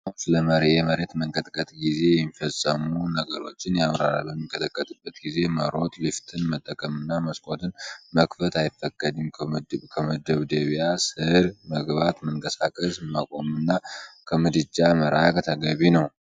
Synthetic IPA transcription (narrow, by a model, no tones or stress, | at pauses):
sɨləməɾɛməɾet̪məŋkʼət̪ʼkʼət̪ʼɡize̞jfəsʼːəmunəɡəɾo̞t͡ʃːɪnjamɾaɾa̰lbəmːikʼət̪ʰəkʼːət̪ʼɨbːət̪ɡize̞məɾo̞t̪ʼlɨft̪ʰɨnmət̪ʼːəkʼəmɨnːaməskʼo̞t̪ɨnməkfət̪ajɪfːəkʼːəd̪ɨmkʰəməd̪əβd̪əβijasɨɾməɡβat̪məŋkʼəsakʼəsmakʷʼo̞mɨnːakʰəmɨd̪ɨd͡ʒːaməɾakʼt̪ʰəɡəβinəw